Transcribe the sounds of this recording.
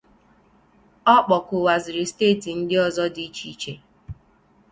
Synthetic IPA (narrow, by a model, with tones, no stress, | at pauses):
ɔ˦k͡pɔ˨kʊ˨wa˨zɪ˨ɾɪ˨steː˦˨ti˨n̩˦dɪ˦ɔ˨zɔ˦di˨˦i˦t͡ʃi˦t͡ʃe˦